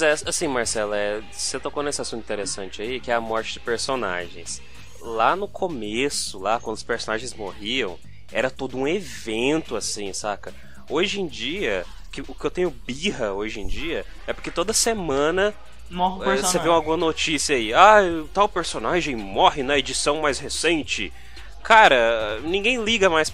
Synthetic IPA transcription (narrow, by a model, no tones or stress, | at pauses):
mzɛasĩmaɾsɛlɐɛ | set̪okõnesɪasũt̪ĩt̪eɾesɐ̃nt͡ʃɪaikɪɛɐmɔɾt͡ʃɪd͡ʒɪpeɾsona̰ʒḛ̃j̃s | lanʊkʰomesʊlakwɐ̃nd̪ʊspeɾsonaʒẽj̃zmohiɐ̃w̃ | ɛɾɐt̪od̪ʊũevẽnt̪ʊasĩsakɐ | oʒẽd͡ʒiɐ | kɪʊkɪewt̪ẽɲʊbiɦɐoʒẽj̃d͡ʒiɐ | ɛpʊɾket̪od̪ɐsemɐ̃nɐ | mɔsevẽaɡũmɐnot͡ʃisiɐaiajt̪awpeɾsonaʒẽj̃mɔɦɪnɐed͡ʒisɐ̃w̃majshesẽt͡ʃɪ | kʰaɾɐnĩɡẽj̃liɡɐmajs